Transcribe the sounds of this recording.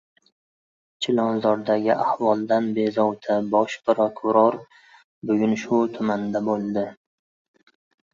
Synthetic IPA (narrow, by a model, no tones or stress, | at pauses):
t͡ʃʰɪlɒnzɒɾd̪aɡʲɪʔahwɒlˠd̪anbe̞zɒwt̪ʰabɒʃpɾokʰʊɾɒɾ | bʊɡʲʊnʃʊt̪ʰʊmand̪abolˠd̪ɪ